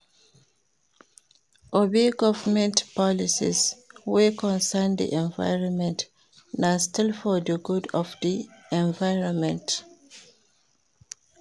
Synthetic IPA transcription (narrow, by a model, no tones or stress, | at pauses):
ʔobiɡɔvəmɛ̃ntpɔlisḭzwikɔ̃nsənd̪ḭʔɛ̃ɱva̰ɪɹɔ̃nmɛ̃nt | nastɪlfɔðəɡudɔvðiɛ̃ɱvaɪɹɔ̃nmɛ̃nt